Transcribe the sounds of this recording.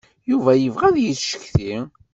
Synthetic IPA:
juvæjəvʁæðjəθʃə̥çθi

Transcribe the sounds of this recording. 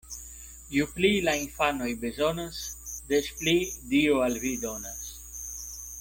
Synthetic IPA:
juplilainfanojbezonasd̪esplidioalvid̪onas

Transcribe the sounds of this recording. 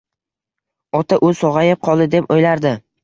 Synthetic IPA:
ɒt̪ʰaʔʊsɒʁɑjɪp̚qʰɒlˠd̪ɪd̪e̞pojlaɾd̪ɪ

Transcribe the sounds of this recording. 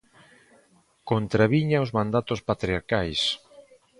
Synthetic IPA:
kont̪ɾaβiɲaozmãnd̪at̪ʊspat̪ɾiaɾkajs

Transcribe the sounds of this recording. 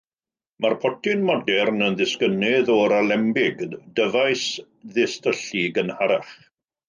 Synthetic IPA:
marpʰɔtʰɪnmɔdɛrnənðɪskənɪðɔɾalɛmbɪɡdəvajs | ðɪstəɬiɡənhaɾaχ

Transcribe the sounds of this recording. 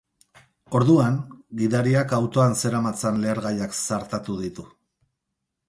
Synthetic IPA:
o̞ɾðuaŋɡiðaɾiakawt̪o̞anse̞ɾamat͡sanle̞ːɾɣajaksaɾt̪at̪uðit̪u

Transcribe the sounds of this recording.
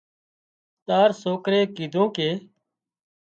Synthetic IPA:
t̪aːɾsoːkɾeːkiːd̪ʱõːkeː

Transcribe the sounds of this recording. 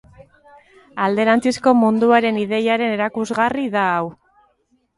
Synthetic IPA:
ald̪e̞ɾant͡sisko̞mund̪uaɾe̞niðe̞jaɾe̞ne̞ɾakuzɣariðaːw

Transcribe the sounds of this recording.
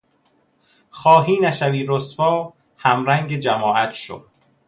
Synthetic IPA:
xɒːɦiːnæʃæviːɾosfɒː | hæmɾæŋɡed͡ʒæmɒːʔæt̪ʰʃo̰

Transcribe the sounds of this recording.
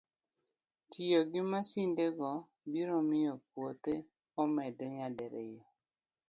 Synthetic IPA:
tʰijoɡɪmasindeɡɔ | biɾomɪjɔpwot̪e | ɔmɛdɔɲadɛɾɪjɔ

